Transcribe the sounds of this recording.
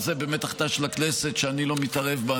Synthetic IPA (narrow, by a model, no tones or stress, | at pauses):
zebeːmet̪aχt̪aʃelaknese̞t̪ʃeanilo̞mit̪aʁe̞vbaa